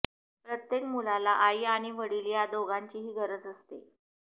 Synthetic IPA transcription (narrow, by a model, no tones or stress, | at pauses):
pɾət̪jekmulalaʔajaɽ̃iʋəɽiljad̪oɡaɲt͡ɕiːɦiːɡəɾəd͡zəst̪ḛ